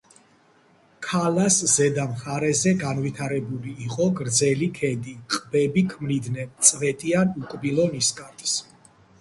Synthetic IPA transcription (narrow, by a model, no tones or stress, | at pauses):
kʰalaszɛd̪amχaɾɛzɛɡanvit̪ʰaɾɛbuliːqʼɔɡɾd̪zɛlikʰɛd̪iqʼbɛbikʰmlid̪nɛt̪sʼvɛt̪ʼianukʼbilˠɔniskʼaɾt̪ʼs